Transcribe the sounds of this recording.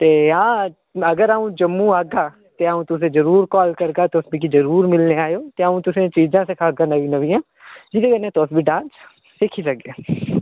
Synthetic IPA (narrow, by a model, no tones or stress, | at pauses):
t̪eːɦãː | ɐɡəɾaːũːd͡ʒəmːũaːɡaː | t̪eaũːt̪ʊs̬ẽːd͡ʒəɾuːɾkɔːlkəɾɡaːt̪oːsbikid͡ʒəɾuːɾmɪlneːaːjoːt̪eaũːt̪ʊsẽt͡ʃiːd͡ʒãːsekʰaːɡãnɐʋinəʋĩjãː | d͡ʒid̪eɡənẽt̪oːsbiɖãːns | sekʰisəɡãː